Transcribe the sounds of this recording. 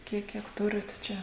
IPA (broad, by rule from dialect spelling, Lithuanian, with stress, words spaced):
ˈkʲiɛk ˈkʲiɛk ˈtʊrʲɪt ˈt͡ʃʲɛ